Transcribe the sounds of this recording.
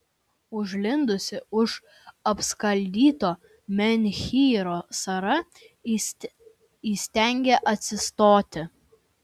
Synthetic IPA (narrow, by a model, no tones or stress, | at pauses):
ʊʒʲlʲɪnd̪ʊsʲɪʊʃ | ɐpskɐlʲd̪ʲiːt̪oː | mʲɛnʲxʲiːɾoːsɐɾɐ | iːsʲt̪ʲɛŋʲɡʲeʔɐt̪ʲsʲɪst̪oːt̪ʲɪ